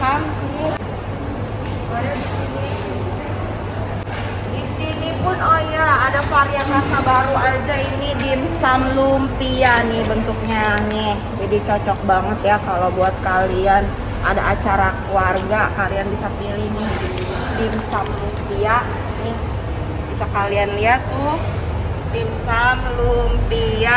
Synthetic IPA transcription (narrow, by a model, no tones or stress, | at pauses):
kamsini | aadisini | disinipʊnojaːdafaɾianmasabaɾuad͡ʒainidinsamlumpianɪhbənt̪uk̚ɲanɛhd͡ʒadit͡ʃɔt͡ʃɔk̚baŋət̪jakalobuat̪̚kalian | ʔa̰daːt͡ʃaɾakuwarɡakalianbisapilinɪh | dimsamlumpia | nɪh | bisakalianliat̪ʊ | dimsamlumpia